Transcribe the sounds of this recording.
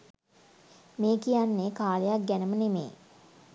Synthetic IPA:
meːkijanːekaːlejak̚ɡænəmənemḛː

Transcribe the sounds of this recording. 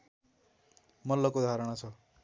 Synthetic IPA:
mʌlːʌkod̪ʱaɾɽ̃at͡sʰʌ

